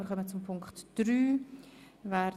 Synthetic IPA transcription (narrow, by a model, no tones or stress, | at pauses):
əɾχœmət͡sʊmpʰʊŋktd̥ɾyː | vɛɾ